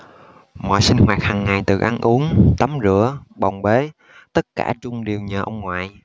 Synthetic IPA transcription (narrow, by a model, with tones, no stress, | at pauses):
mɔ̰˧˨jsi˧ŋ̟hwaː˨˩t̚haː˨˩ŋːa˨˩jt̪ɨ̰˨˩ʔa˧nʔu˨˦ənt̪ə˨˦mzɨ̰˧˥əɓa˨˩wŋ͡mɓe˨˦ | t̪ə˦˥t̚kaː˧˩t͡ɕʊ˧ŋ͡mɗi˨˩wɲəː˨˩ʔə˧wŋ͡mŋwa̰ː˧˨j